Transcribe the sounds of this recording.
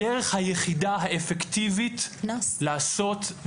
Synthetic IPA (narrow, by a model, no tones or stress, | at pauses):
eʁeχhajeχidaɦaefekt̪ivitlaːso̞t